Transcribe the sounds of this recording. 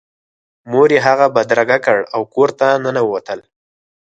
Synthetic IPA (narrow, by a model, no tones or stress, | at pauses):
moɾeɦaɣabad̪ɾaɡakəɽawkoɾt̪anənawəwat̪əl